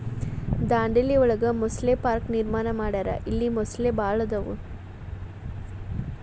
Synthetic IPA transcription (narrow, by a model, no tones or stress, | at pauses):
d̪aːɳɖeliɔɭɐɡɐmɔsleːpaːɾkniɾmaːnɐmaːɽaːɾɐ̰ʔilːimɔslebaːɭɐd̪ɐʋṵ